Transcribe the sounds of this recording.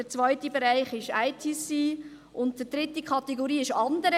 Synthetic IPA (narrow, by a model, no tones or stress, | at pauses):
d̥ət͡svœʏtibeɾaɪχɪʃaɪtʰisːiː | ʊntd̥ədɾɪtikʰχɑtɛɡoɾiːɪʃɑndəɾə